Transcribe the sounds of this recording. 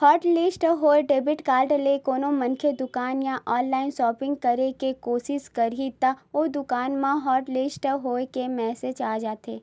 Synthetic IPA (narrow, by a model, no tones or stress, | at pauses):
hɔːɾʈlɪsʈɦoːeɖeːbɪʈkaːlʈlekoːnomɐ̃nkʰed̪ʊkaːnjãʔɔːnlaːɪnsɔːpɪ̃ŋɡ̚kɐɾekekoːsɪʃkɐɾit̪aoːd̪ʊkaːnmãɦɔːɾʈlɪsʈɦoːekemɛːsed͡ʒaːd͡ʒaːt̪eː